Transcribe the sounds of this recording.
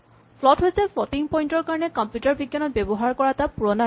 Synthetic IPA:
pʰlɔtɦojsɛpʰɔtiŋpɔjntɔɹkaɹɔnɛkɔmpjutaɹbiɡjanɔt̚bebɔɦaɹkɔɹatapuɹɔna

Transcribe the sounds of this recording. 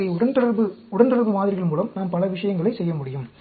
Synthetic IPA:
ɐɪʊɽɐnt̪ɯɽɐɾbɯʊɽɐnt̪ɯɽɐɾʋɯmaːðɪɾɪɣɐɭmuːlɐmnaːmpɐlɐʋɪʂɐjɐŋɡɐɭɐɪsɛjːɐmʊɽɪjɯm

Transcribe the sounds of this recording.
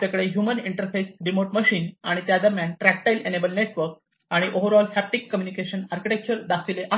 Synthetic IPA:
t̪akəɽeɦjuməniɳʈəɾfesɖimoʈməɕiːnaɽ̃it̪jad͡zəmjanʈɾæk̚ʈajlenebəlneʈʋəɾk̚ | aɽ̃iʔoʋəɾɔlfæp̚ʈikːəmjunikeɕənaɾkiʈek̚t͡ɕəɾd̪asileʔa

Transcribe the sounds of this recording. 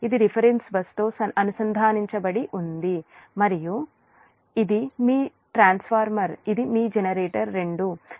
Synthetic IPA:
id̪iɾipʰɐɾensbɐst̪oːsɐɐnusɐnd̪ʱaːniɲt͡ʃɐbɐɽiʔund̪imɐɾiju | id̪imiː | ʈɾaːnspʰaːɾmɐɾid̪imiːd͡ʒenɐɾeːʈɐɾːeɳɖu

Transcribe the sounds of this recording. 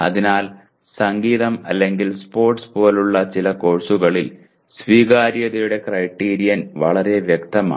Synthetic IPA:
ɐ̰ðinaːl | sɐŋɡiːðɐmɐlːe̞ŋɡilspo̞ːrʈspo̞ːluɭːɐt͡ɕilɐko̞ɻsuɣɐɭil | sʋiːɣaːɾjɐðɐjuɽe̞krɐjʈːiːɾijɐnʋɐ̰ɭɐɾe̞ʋjekt̪ɐma̰ː

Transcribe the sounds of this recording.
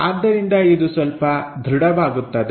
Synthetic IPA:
aːd̪ːɐɾind̪ɐid̪usʋɐlpɐd̪ʱɾiɽɐʋaːɡut̪ːɐd̪e

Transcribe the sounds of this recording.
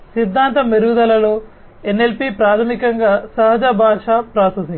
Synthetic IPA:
sid̪ʱːaːnt̪ɐmeɾud̪ɐlɐloː | enːelpipɾaːt̪ʰɐmikɐŋɡaːsɐɦɐd͡ʒɐbʱaːʂapɾaːsɐs

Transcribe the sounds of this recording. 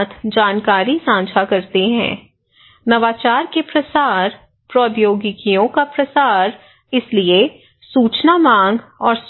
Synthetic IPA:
t̪ʰd͡ʒaːnkaːɾisãːt͡ʃʰakɐɾt̪eɦɛ̰̃ː | nɐʋaːt͡ʃaːɾkepɾɐsaːɾ | pɾɔːbjoːɡɪkijõkapɾɐsaːɾ | ɪslie | suːt͡ʃnamãːŋɡɔːɾs

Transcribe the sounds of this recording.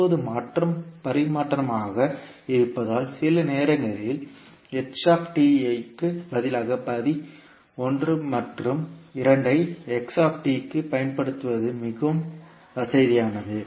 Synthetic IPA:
oðɯmaːʈrɐmpɐɾɪmaːʈrɐmaːɣɐ | ɪɾɯpːɐðaːlsɪlɐneːɾɐŋɡɐɭɪl | ɛksaːpʈiɐɪkːɯbɐðɪlaːɣɐpɐði | ɔndrɯmɐʈrɯmɪɾɐɳɖɐɪɛksaːpʈikːɯpɐjɐnpɐɽɯt̪ːɯʋɐðɯmɪɣɯm | ɐsɐɪðɪjaːnɐðɯ

